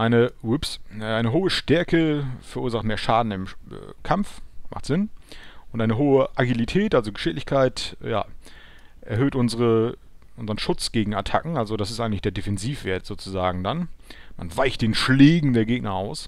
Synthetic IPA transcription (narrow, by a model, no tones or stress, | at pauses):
ʔaɪnəʊpsaɪnəɦoːəʃtɛɐkʰəfɛɐʔuːɐzaχtmeːɐʃaːdn̩ɪm̰ː | kʰamfma̰χtz̥ɪnʔʊntʔaɪnəɦoːəʔaɡilitʰɛːtʔalzoɡəʃɪlɪçkʰaɪtja̰ː | ʔɛ̰ɐɦøːtʔʊnzəʁə | ʔʊnzəʁənʃʊt͡sɡ̥eːɡŋ̩atʰa̰kŋ̩alzodasɪstʔaɪŋ̩lɪçd̥eːɐdefɛnziːfv̥eːɐtz̥oːt͡suzaːɡŋ̩danma̰nvaɪçt̚d̥eːnʃleːɡŋ̩deːɐɡeːɡ̚nɐʔa̰ʊs